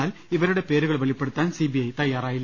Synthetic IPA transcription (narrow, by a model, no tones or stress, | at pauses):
aːliʋɐɾɯɽe̞peːɾɯɣɐɭʋɐɭipːeɽɯt̪ːaːnsibijɐjt̪ɐjːaːraːjilːɐ